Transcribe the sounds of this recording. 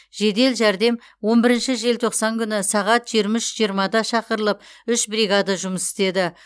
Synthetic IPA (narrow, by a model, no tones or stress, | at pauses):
ʒ̥e̞d̪e̞lʒæɾd̪e̞m | wo̞mbɪɾɪnʃɪʒe̞lt̪ʰo̞qsɑŋkʲʰʏnɪsɑʁɑt̪ʒijɾmɪʃʒijəɾmɑd̪ɑʃɑqəɾəlˠəp̚ʏʃbriɡad̪ɑʒʊməsɪ̥st̪e̞d̪ɪ